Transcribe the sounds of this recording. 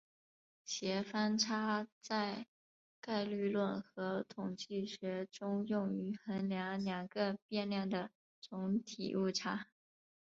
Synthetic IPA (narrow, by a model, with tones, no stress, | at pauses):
ɕjɛ˧˥fa˥nʈ͡ʂʰa˥t͡sa˥˧ɪ | ka˥˧ɪly˥˧lwə˥˩nxɤ˧˥t̪ʰʊ˨˩ŋt͡ɕi˥˩ɕɥɛ˧˥ʈ͡ʂʊ˥ŋjʊ˥˩ŋy˧˥xə˧˥nljɑ˧˥ŋljɑ˨˩ŋɡə˧˦pjɛ˥˧nljɑ˥˩ŋd̪ə˩ | t͡sʊ˧˥ŋt̪ʰḭ˨˩ʔu˥˩ʈ͡ʂʰa˥